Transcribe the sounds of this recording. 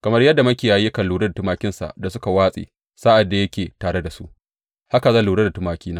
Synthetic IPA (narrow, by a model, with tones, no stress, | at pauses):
kɐ˨mɐ˦rjɐ˦dːa˨mɐ˦kʲeː˨jaː˦ji˦kɐ˨lːuː˨ɽɐ˦da˨tʊ˦maː˦kʲɪ˦nsa̰˨ʔda˨sʊ˦ka˨waː˦sʼḛː˨ | sa˦ʔa˨dːa˨jɐ˦kʲeː˨taː˨ɽe˦da˨sṵ˦ʔ | ha˦ka˨zɐ˦nluː˨ɽe˦da˨tʊ˦maː˨˦kʲiː˦naː˦